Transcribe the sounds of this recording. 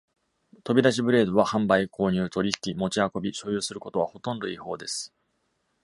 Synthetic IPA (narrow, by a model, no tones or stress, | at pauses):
t̪o̞bʲid̪aɕ̬ibɯ̟ɾe̞ːd̪oβ̞ahãmbaikʰo̞ːɲ̟ɨːt̪o̞ɾʲiçi̥kʲimo̞t͡ɕiako̞bʲiɕo̞ːjɯ̟ːsɨɾɯ̟ko̞t̪o̞β̞aho̞t̪õ̞nd̪o̞iho̞̰ːd̪e̞sɨ̥